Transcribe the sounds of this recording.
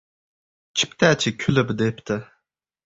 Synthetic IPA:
t͡ʃʰi̥pt̪ʰɛːt͡ʃʰɪkʲʰølɪbd̪ept̪ʰɪ

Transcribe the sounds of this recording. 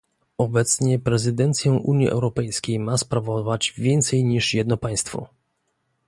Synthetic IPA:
ɔbɛt̪sɲɛpɾɛzɘd̪ɛnt̪sʲjɛ̃ʔuɲjiʔɛ̰wɾɔpɛjskʲejmaspɾavɔvad͡ʑvʲjɛnt̪sɛjɲiʂjɛd̪̚nɔpaj̃st̪fɔ̰

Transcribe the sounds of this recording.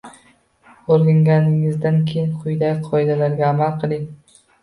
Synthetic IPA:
oɾɡʲaŋɡʲanɪŋɪzd̪ankʲʰejɪnqʰʊjd̪aɡʲɪqʰɒɪd̪alaɾɡʲaːmalˠqʰɨlˠɪŋ

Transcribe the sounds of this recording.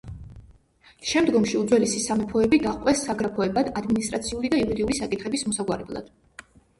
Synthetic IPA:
ʃɛmd̪ɡɔmʃiud̪zwɛlisisamɛpʰɔɛbid̪aχqʼwɛsːaɡɾapʰɔɛbad̪ad̪minist̪ʼɾa̰t̪sʰiulid̪aiuɾid̪iulisakʼit̪χɛbismɔsaɡwaɾɛblˠa̰d̪̥

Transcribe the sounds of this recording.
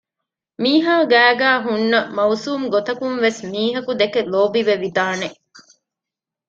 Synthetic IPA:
miːɦaːɡæːɡæːɦunːɐmɐusuːmɡot̪ɐkunʋesmiːɦɐkud̪ekeloːbiʋeʋid̪aːneʔ

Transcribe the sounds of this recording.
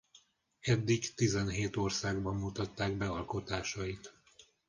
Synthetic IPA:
ɛd̪ːiɡt̪izɛnɦeːt̪o̞rsaːɡbɒmmut̪ɒt̪ːaːɡbɛɒlko̞t̪aːʃɒjit̪

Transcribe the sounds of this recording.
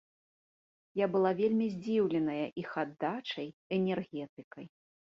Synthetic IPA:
jabɨlˠavʲelʲmʲizʲd͡zʲiwlʲɛnɐjɐʔixad̪ːat͡ʂɐjɛnʲɛrɣʲɛt̪ɨkɐj

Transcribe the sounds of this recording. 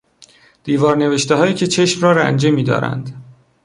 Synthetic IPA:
d̪̥iːvɒːɾne̞veʃt̪eɦɒːjiːcʰe̞t͡ʃʰe̞ʃmrɒːɾæ̰nd͡ʒemiːd̪ɒ̰ːɾæ̰nd̪̥

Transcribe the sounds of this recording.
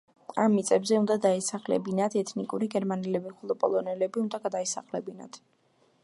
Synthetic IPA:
amːit̪sʼɛbzɛund̪ad̪aɛsaχlɛ̰binat̪ʰɛt̪ʰnikʼuɾiɡɛɾmanɛlɛbiχɔlˠɔpʼɔ̰lˠɔnɛlɛbiund̪aɡad̪aisa̰χlɛ̰bina̰t̪ʰ

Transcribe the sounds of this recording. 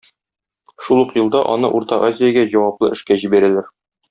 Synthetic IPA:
ʃulˠuqjɤ̆lˠd̪ɑʔɒ̰nɤʔuɾt̪ɑʔazʲɪjaɡæʑɒwɑplˠɤʔɘ̆ʃkæʑibæɾælæɾ

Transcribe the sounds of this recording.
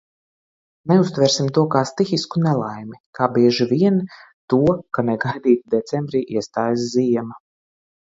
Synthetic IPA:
neust̪vɛɾsimt̪uɔkaːst̪ixiskunɛlˠajmikaːbiɛʒiviɛn | t̪uɔkanɛɡajd̪iːt̪id̪ɛt̪sembɾiːʔiɛst̪aːjas̬ziɛma

